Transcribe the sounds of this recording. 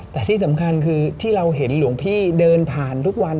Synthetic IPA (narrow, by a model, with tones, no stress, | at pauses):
t̪ɛː˨˩t̪ʰiː˥˩sa˩˦mkʰa˧nkʰɯː˧t̪ʰiː˥˩ɾa˧wɦe˩˦nlu˨˩˦əŋpʰiː˥˩dɤː˧npʰaː˨˩nt̪ʰu˦˥k̚wa˧n